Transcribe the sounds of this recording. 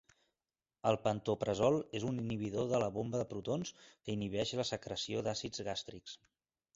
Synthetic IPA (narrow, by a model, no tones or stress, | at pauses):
əlˠpənt̪opɾəzɔlˠezuniniβ̞iðoðələβombəðəpɾut̪onskəiniβɛʃləsəkɾəsioðasid͡zɣast̪ɾiks